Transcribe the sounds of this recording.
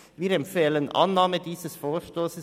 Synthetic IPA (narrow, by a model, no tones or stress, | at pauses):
ʋiːɾɛmfeːlənʔɑ̰nːɑːməd̪iːsəsfoːʃt̪oːsə